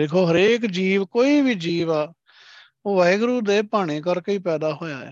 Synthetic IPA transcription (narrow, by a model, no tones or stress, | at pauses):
d̪eːkʰoːɦəɾeːkd͡ʒiːʋkoːiːbiːd͡ʒiːʋaː | oːʋɛːɡɾuːd̪eːpaːɽ̃eːkəɾkəiːpɛːd̪aːɦoːjaːɛ̰ː